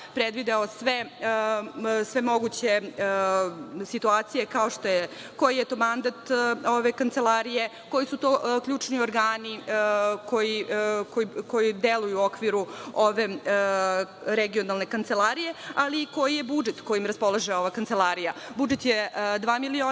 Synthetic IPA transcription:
pɾed̪ʋid̪aosʋe | sʋe̞mo̞ɡut͡ɕe̞ | sit̪uaːt̪sije̞kaoʂt̪o̞je | ko̞jijet̪o̞ːmand̪at̪oʋe̞kant̪se̞laɾije̞ | ko̞jisut̪oːkʎʲuːt͡ʂnioɾɡaːnikojikoiko̞jid̪elˠujuo̞kʋiɾuoʋe̞ | ɾeɡionalˠne̞kant̪selˠaɾije̞aliːko̞jijebud͡ʒet̪ko̞jimɾaspo̞lˠaʒeo̞ʋakant̪e̞lˠaɾijabud͡ʒet̪jed̪ʋaːmilioː

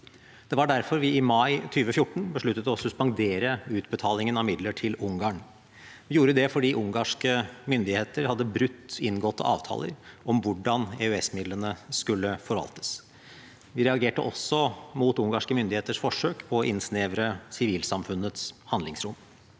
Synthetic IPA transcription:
d̪̥ɛʋɑɖæɾfɔɾʋɪɪmɑɪt̪ʰyːʋəfjʊʈːɳ̩bəʂɭʉt̪ːət̪ɔsʉspɑŋd̪eːɾəʉːt̪bət̪ʰɑːlɪŋənɑʋmɪd̪ləʈʰɪlʊŋɡɑːɳ | ʋɪjuːɾəd̪ɛfɔɖiːʔʊŋɡɑʂkəmʏnd̪ɪheːt̪əɾhɑd̪ːəbɾʉt̪ːɪnɡɔt̪ʰːɑ̰ːʋt̪ʰɑ̰ːlə̰ɾʔɔmʋʊɖɑneœɛsmɪd̪lənəskʉlːəfɔɾʋɑ̰lt̪ə̥s | ʋɪɾɛɑɡeːʈəʔɔsːɔmuːt̪ʊŋɡɑʂkəmʏnd̪ɪheːt̪əʂfɔʂøːkpʰɔɔʔɪ̰nsneːʋɾəsɪʋiːlsɑmfʉnət̪shɑnd̪lɪŋsɾʊm

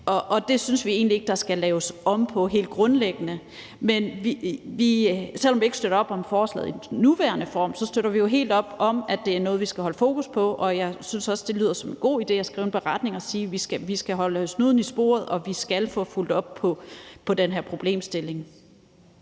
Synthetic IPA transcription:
ʔɒ̽ʔɒ̽d̥e̝synsʋie̝̰ːnlie̝ɡ̥əd̥ɑ̈sɡ̥ælɛːʊsɒ̽mpʰɒ̽ɦe̝̰ːld̥̚ɡ̥ʁɔ̽nleɡ̥ənə | menʋiʋisel̰ɒmʋie̝ɡ̥sd̥øɾɐɒ̽b̥ɒ̽mfɒːslɛ̰ːð̩ˠinuʋæːɐnəfɒ̰ːmsɒ̽sd̥øɾ̥ɐʋijo̝ɦe̝̰ːld̥ɒ̽b̥ɒ̽mæd̥e̝æɐnɔ̽ːð̞̩ˠʋisɡ̥æhɒ̽ləfo̝̰ːkʰuspʰɒ̽ʔɒ̽jɑ̈ɪsynsɒ̽sd̥e̝lyːðˠɐsɒ̽me̝nɡ̥o̝̰ːid̥e̝̰ːæsɡ̥ʁḭʊenb̥eʁɑ̈d̥ne̝ŋɒsiːʋisɡ̥æʋisɡ̥æɦɒ̽ləsnuðˠn̩isb̥o̝̰ːɐð̞̩ˠɒ̽ʋisɡ̥ælfɔ̽ːful̰d̥ɒ̽b̥̚ʰɒ̽pʰɒ̽d̥enɦeɐ̰pʰʁo̝b̥le̝̰ːmsd̥e̝le̝ŋ

